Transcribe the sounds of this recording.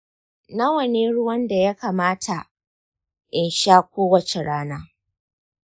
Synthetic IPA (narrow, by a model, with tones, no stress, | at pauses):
na˦wɐ˨neː˦ɽʊ˦wɐ˦nda˨ja˦kaː˨maː˦tʰa˨ | ʔɪ˨nʃaː˦kʷoː˦wɐ˨t͡ʃe˨ɽaː˦naː˦